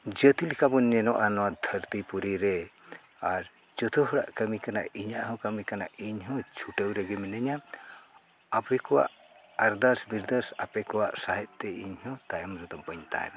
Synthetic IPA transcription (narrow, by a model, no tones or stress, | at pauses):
d͡ʒət̪ilikabɔnɛnɔʔanɔwad̪ʱəɾt̪ipuɾiɾɛ | aɾ | d͡ʒɔt̪ʰuɦɔɽa̰ʔkəmikana̰ʔiɲaʔɦɔ̃kəmikana̰ʔiɲɦɔ̃t͡ʃʰuʈəwɾɛɡɛminəɲa | apɛkɔwa̰ʔ | aɾd̪əɾsbiɾd̪əɾsapɛkɔwaʔsaɦɛt̪̚t̪ɛḭɲhɔ̃t̪ajɔmɾut̪ɔbəɲt̪a̰ɦɛ̰na